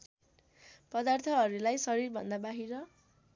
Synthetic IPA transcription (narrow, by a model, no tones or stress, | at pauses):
pʌd̪art̪ʰʌɦʌɾulajsʌɾirbʱʌ̰nd̪abaɦiɾʌ